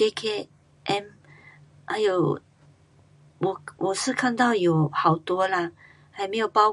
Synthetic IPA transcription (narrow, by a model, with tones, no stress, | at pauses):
e˦kʰe˥ | ʔɛ˧˥m | ʔa˧˦jo˨˩ | wɔ˨˩wʔɔ˨˩s̩˥˨kʰa˥˧nt̪a˥˨wjo˨˩ha˨˩wt̪wɔ˧˦la˧˨ | ha˨jme˦jo˨˩pa˧˦